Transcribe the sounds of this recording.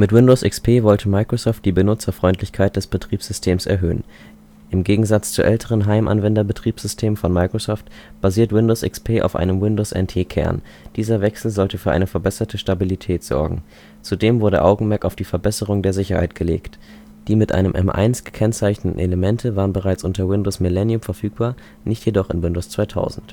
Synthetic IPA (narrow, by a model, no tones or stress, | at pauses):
mɪtwɪndoʊsʔɪkspʰeːvɔltʰəmaɪkʁ̥osɔːft̚d̥iːbənʊt͡sɐfʁ̥ɔʏntʰlɪçkʰaɪt̚d̥ɛsb̥ətʁ̥iːpsz̥ʏstʰeːmsɛɐɦøːən | ʔɪmɡeːɡŋ̩zat͡st͡sṵʔɛltʰəʁ̞ənɦaɪmʔa̰nvɛndɐbətʁ̥iːpz̥ʏstʰeːmfɔnmaɪkʁ̥osɔːftb̥aziːɐtwɪndoːsʔɪ̰kspʰeːʔa̰ʊfʔa̰ɪnəmwɪndoːsʔɛ̰ntʰeːkʰɛ̰ɐn | d̥iːzɐvɛksl̩zɔltəfyːɐʔa̰ɪnəfɛɐbɛsɐtʰəʃtabilitʰɛːtz̥ɔ̰ɐɡŋ̩ | t͡sudeːmvʊɐɾə̰ʔa̰ʊɡŋ̩mɛɐkaʊfd̥iːfɛɐbɛsəʁ̞ʊŋdeːɐzɪçɐha̰ɪtɡ̥əlḛːkt | d̥iːmɪtʔa̰ɪnəmʔɛ̰mʔa̰ɪnsɡ̥ə̥kʰɛnt͡saɪçnətn̩eləmɛntʰəvaːʁənbəʁ̞aɪt͡sʔʊntɐwɪndoːsmɪlɛnjʊmfɛɐfyːk̚b̥aːɐ | nɪçtjedɔχɪnwɪndoːst͡sv̥aɪtʰa̰ʊzn̩t